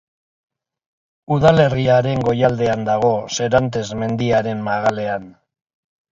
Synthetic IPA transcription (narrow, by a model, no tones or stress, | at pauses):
uðale̞riaɾe̞ŋɡo̞jald̪e̞and̪aɣ̞o̞se̞ɾant̪e̞zme̞nd̪iaɾe̞mmaɣ̞ale̞an